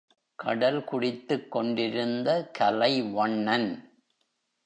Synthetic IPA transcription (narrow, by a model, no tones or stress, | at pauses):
kʰɐ̰ɽɐlkʊɽɪt̪ːɯkːɔɳɖɪɾɯnd̪ɐkʰɐlɐɪʋɐɳːɐn